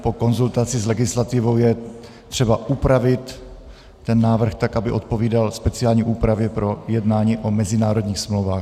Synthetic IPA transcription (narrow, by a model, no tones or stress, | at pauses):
po̞ko̞nzult̪at͡sɪzlɛɡɪslat̪ɪvo̞wjɛ | t̪r̥ɛbaʔupɾavɪt̪ː | ɛnːaːvr̩xt̪akʔabɪʔo̞t̪po̞viːdalspɛt͡sɪaːlɲiːʔuːpɾavjɛpɾo̞jɛdnaːɲiːʔo̞mɛzɪnaːɾod̪ɲiːxsmlowvaːx